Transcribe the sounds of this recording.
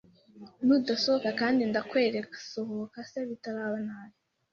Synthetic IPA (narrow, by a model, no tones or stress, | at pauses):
nuːdasohokakaːndindakwe̞ːɾekusohokaseβitaɾaβanaːɾe